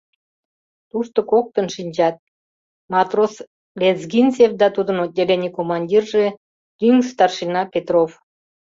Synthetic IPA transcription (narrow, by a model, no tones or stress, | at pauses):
t̪uʃt̪okok̚t̪ənʃinʲd͡ʑɑt̪̚ | mɑt̪ros | lʲezɡinʲsefd̪ɑt̪ud̪ənod̪ʲelenʲikomɑnʲdʲirʒe | t̪yŋst̪ɑrʃinɑpet̪rof